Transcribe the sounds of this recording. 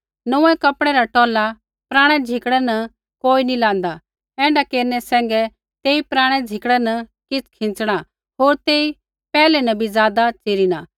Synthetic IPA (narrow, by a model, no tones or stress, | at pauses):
nɐũɛ̃kɐpɽ̃ɛɾaʈɔːla | pɾãːɽ̃ɛd͡zʱɪkɽ̃ɛnɐ | koːinilãːnd̪a | ɛ̃ːɳɖakeːɾnɛsɛ̃ːŋɡɛ | t̪eːipɾãːɽ̃ɛd͡zʱɪkɽɛnɐkɪt͡sʰkʰɪ̃nt͡sɽ̃a | ɦoːɾt̪eːi | pɛːlɛnɐbizjaːd̪at͡seːɾinaː